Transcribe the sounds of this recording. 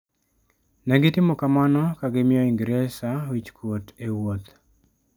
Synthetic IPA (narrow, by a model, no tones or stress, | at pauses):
nɛɡɪtɪmɔkamanɔkaɡɪmɪɔɪŋɡɾɛsawit͡ʃkwotewot̪